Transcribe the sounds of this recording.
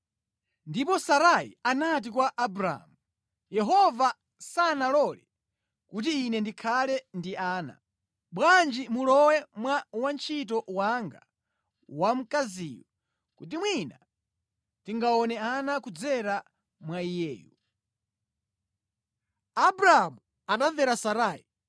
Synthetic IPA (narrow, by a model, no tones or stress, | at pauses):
ndipɔsaɾaḭanat̬ikwaʔːbɾa̰mu | jɛɦɔva | sanalɔlɛ | kut̬iːnɛndikʰalɛndiʔaːna̰ | ɓwand͡ʒimulɔwɛmwawant͡ʃʰit̬ɔwaŋɡa | wam̩kazijɔ | kut̬imwina | tiŋɡaɔnɛanakud͡zɛɾa | mwaijɛ̰ːju | abɾaamu | anavɛɾasaɾaːi